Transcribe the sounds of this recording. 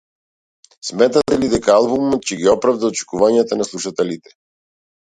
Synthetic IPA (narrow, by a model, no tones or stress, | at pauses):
smɛt̪at̪ɛlid̪ɛkaalˠbumɔt̪̚t͡ʃɛɡiɔpɾavd̪aɔt͡ʃɛ̥kuvaɲat̪anaslˠuʃat̪ɛlit̪ɛ̥